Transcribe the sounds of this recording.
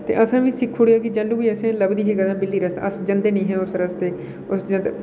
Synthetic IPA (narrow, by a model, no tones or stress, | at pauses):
t̪ḛːʔəsãːʋiːsɪkʰːoːɽɪjaːkid͡ʒaːlːũːʋiːəsẽːləbd̪iːɦeɡəd̪ãːbɪlːiːɾəst̪ə̰sd͡ʒənd̪eːnəĩːɦɛ̃ːʊsɾəst̪eː | ʊsd͡ʒənd̪